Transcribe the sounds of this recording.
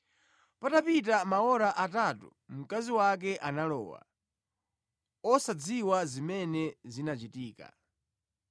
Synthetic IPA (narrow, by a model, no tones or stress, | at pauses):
patapit̬amaɔɾaʔatatṵm̩kaziwak̬ɛʔanalɔ̰ːwa̰ | ɔsad͡ziwazimɛnɛzinat͡ʃitiːka̰